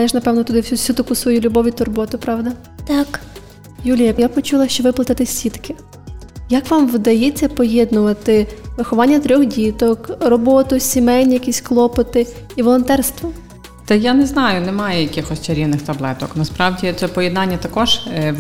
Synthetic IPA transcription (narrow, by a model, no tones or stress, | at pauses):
ɛʒnɐpɛwnɔt̪ʊd̪ɪwsʲusʲut̪ɐkusʋɔjulʲʊbɔʋʲit̪ɔrbɔt̪ʊpɾɑʋd̪ɐ | t̪ɑk | julʲijɐjapɔt͡ʃulˠɐʃt͡ʃɔʋɪplˠɐt̪ɐt̪ɪsʲit̪kɪ | jɐkʋɑmʋɪd̪ɐjet͡sʲːɐpɔjɛd̪nʊʋɐt̪ɪʋɪxɔʋɑnʲːɐt̪ɾʲɔxdʲit̪ɔkrɔbɔt̪ʊsʲimɛnʲjɐkʲisʲklˠɔpɔt̪ɪiʋɔlˠɔnt̪ɛrst̪ʋɔ | t̪ɐjanɛznɑjʊnɛmɑjɛjɐkɪxɔsʲt͡ʃɐɾʲiʋnɪxt̪ɐblˠɛt̪ɔknɐspɾɑʋdʲit̪sɛpɔjɛd̪nɑnʲːɐt̪ɐkɔʒ̥